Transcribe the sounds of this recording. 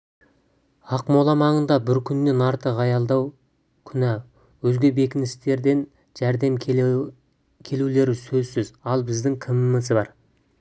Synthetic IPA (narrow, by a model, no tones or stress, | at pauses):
ɑqmo̞lˠɑmɑɴənd̪ɑbɪɾkʲʰʏnːe̞nɑɾt̪əʁɑjɑlˠd̪ɑw | kʲʰʏnæ | wɵzɡʲe̞be̞kʲɪnɪst̪e̞ɾd̪e̞n | ʒ̥æɾd̪e̞m | kʲʰe̞lule̞ɾɪsɵzsɪzɑlˠbɪzd̪ɪŋkʲʰɪmɪməzbɑɾ